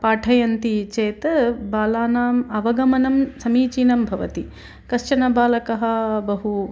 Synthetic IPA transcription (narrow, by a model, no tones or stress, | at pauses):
paːʈʰɐjɐnt̪it͡ʃeːt̪ɐbaːlaːnaːmɐʋɐɡɐmɐnɐmsɐmiːt͡ʃiːnɐmbʱɐʋɐt̪i | kɐʂt͡ʃɐnɐbaːlɐkɐɦɐ̆bɐɦu